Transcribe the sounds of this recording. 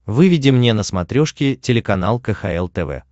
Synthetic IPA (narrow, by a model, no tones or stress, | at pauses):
vɨvʲɪdʲɪmnʲenəsmɐt̪ɾʲoʂkʲɪtʲɪlʲɪkɐnalˠkəxɐ̰ɛlˠt̪ɛvɛ̰